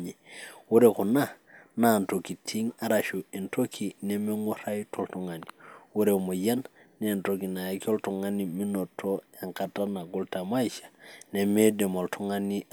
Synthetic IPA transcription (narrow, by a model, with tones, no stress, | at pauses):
ɲi˨wu˦ɾeku˨na˦ | nantoki˨tʰi˦ŋa˦ɾaʃui˨nto˦kʰi˨ne˦me˦ŋo˦ɾa˦jtʰoltuŋa˨niwu˦ɾemo˨ja˦nːentoki˨na˨jako˦ltu˨ŋani˨mi˦notʰo˦ja˨ŋkata˦na˨ɡu˦ltama˦iʃḁneme˦de˨mo˨ltʰu˦ŋani